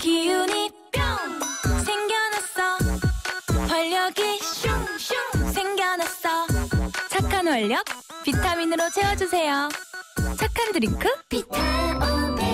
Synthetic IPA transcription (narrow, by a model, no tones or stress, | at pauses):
kijuni | p͈jʌŋsʰeŋɡjʌnʌs͈ʌ | pʌʎːʌɡiɕʰuŋɕʰuŋsʰeŋɡjʌnʌs͈ʰʌt͡ɕʰakʰːanwʌʎːʌk̚pitʰaminɯɾot͡ɕʰe̞ʌd͡ʑusʰe̞jo | t͡ɕʰakʰandɯɾikʰɯpitʰa